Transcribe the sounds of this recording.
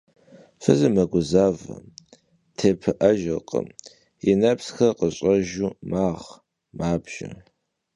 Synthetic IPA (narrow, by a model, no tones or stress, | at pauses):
fɨzɨmɐɡʷʊzaːvɐ̰ | tʰeːpʰɨʔɐʒɐqʼə̰m | inɐpsxɐqəɕʼɐʒuːmaːʁ | maːbʒ̥ɪ̰